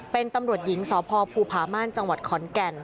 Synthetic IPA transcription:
pe˧nt̪a˧mɾu˨˩ət̪̚ji˩˦ŋsɔː˩˦pʰɔː˧pʰuː˧˩pʰaː˩˦maː˥˩nt͡ɕa˧ŋwa˨˩t̪̚kʰɔː˩˦nkɛ˧n

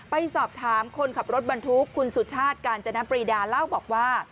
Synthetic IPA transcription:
pa˧jsɔː˨˩p̚t̪ʰaː˩˦mkʰo˧nkʰa˨˩p̚ɾo˦˥t̪̚ba˧nt̪ʰu˦˥kʰːu˧nsu˨˩t̚t͡ɕʰaː˥˩t̪̚kaː˧nt͡ɕa˧na˦˥pɾiː˧daː˧la˥˩wbɔː˨˩k̚waː˥˩

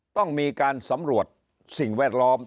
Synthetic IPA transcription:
t̪ɔ˥˩ŋmiː˧kaː˧nsa˩˦mɾu˨˩ət̪̚ | si˨˩ŋwɛː˥˩t̪̚lɔː˦˥m

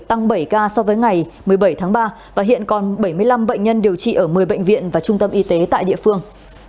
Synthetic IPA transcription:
t̪a˧ŋɓə˧˩jkaː˧sɔ˧vəː˨˦jŋa˨˩jmɨ˨˩əjɓə˧˩jt̪ʰaː˨˦ŋɓaː˧ | vaː˨˩ɦḭ˧˨ənkɔ˨˩nɓə˧˩jmɨ˧əjla˧mɓə̰˧˨jŋ̟ɲə˧nɗi˨˩əwt͡ɕḭ˧˨ʔəː˧˩mɨ˨˩əjɓə̰˧˨ŋ̟vḭ˧˨ənvaː˨˩t͡ɕʊ˧ŋ͡mt̪ə˧mʔi˧t̪e˨˦t̪a̰ː˧˨jɗḭ˧˨əfɨ˧əŋ

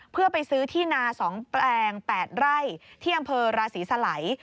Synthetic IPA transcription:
pʰɯ˥˩ɐpa˧jsɯː˦˥t̪ʰiː˥˩naː˧sɔː˩˦ŋplɛː˧ŋpɛː˨˩t̪̚ɾa˥˩jt̪ʰiː˥˩ʔa˧mpʰɤː˧ɾaː˧siː˩˦sa˧la˩˦j

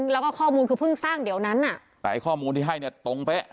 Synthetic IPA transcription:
ŋlɛː˦˥wkɔː˥˩ɔː˥˩muː˧nkʰɯː˧pʰɯ˥˩ŋsaː˥˩ŋdi˨˩˦əwna˦˥nʔa˨˩ʔ | t̪ɛː˨˩ʔa˧jkʰɔː˥˩muː˧nt̪ʰiː˥˩ɦa˥˩jni˥˩ɐt̪o˧ŋpe˦˥

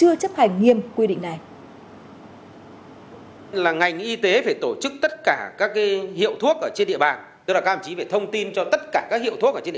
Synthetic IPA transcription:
ɨ˧ət͡ɕə˦˥p̚ha˨˩jŋ̟ŋi˧˩əmkwi˧ɗḭ˧˨ŋ̟na˨˩j | laː˨˩ŋa˨˩jŋ̟ʔi˧t̪e˨˦faː˧˩jt̪o˧˩t͡ɕɨ˦˥k̚t̪ə˦˥t̚kaː˧˩kaː˦˥k̚ːaː˨˦hḭ˧˨ə˨wt̪ʰu˦˥ək̚ʔəː˧˩t͡ɕe˧nɗḭ˧əɓaː˨˩n | t̪laː˨˧˩t͡ɕi˨˦ve˨˩t̪ʰə˧wŋ͡mt̪i˧nt͡ɕɔ˧t̪ə˦˥t̚kaː˧˩kaː˦˥k̚hḭ˧˨t̪ʰu˦˥kʔəː˧˩t͡ɕḛ˧

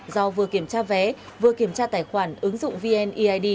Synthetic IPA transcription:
zɔ˧vɨ˨˩əki˧˩əmt͡ɕaː˧vɛ˨˦ | vɨ˨˩əki˧˩əmt͡ɕaː˧t̪aː˧˩jxwaː˧˩nʔɨ˨˦ŋzʊ̰˧˨ŋ͡mvi˧ʔɛ˧nʔi˧ʔaː˧jɗi˧

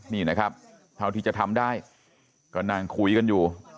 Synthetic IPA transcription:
niː˧˩na˦˥kʰa˦˥p̚ | t̪ʰa˥˩wt̪i˧t͡ɕa˨˩t̪ʰa˧mdaː˥˩j | kɔː˥˩naː˧˩ŋkʰu˦˥jka˧njuː˨˩

